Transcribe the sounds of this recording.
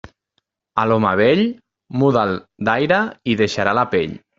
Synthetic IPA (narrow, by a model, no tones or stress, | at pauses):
alɔmaβ̞eʎ | muðalˠd̪ajɾəiðeʃaɾalapeʎ